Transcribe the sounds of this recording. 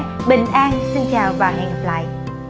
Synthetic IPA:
ɓï˨˩ŋ̟ʔaː˧nsi˧ŋt͡ɕaː˨˩wvaː˨˩ɦɛ̰˨˩ŋla̰ː˧˨˦j

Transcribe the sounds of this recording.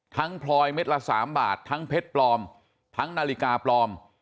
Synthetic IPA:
t̪ʰa˦˥ŋpʰlɔː˧jme˦˥t̪̚la˧˥sa̰ː˩˦mba̰ː˨˩t̪ʰːa˦˥ŋpʰe˦˥t̪̚plɔː˧m | t̪ʰa˦˥ŋnaː˧li˦kaː˧plɔː˧m

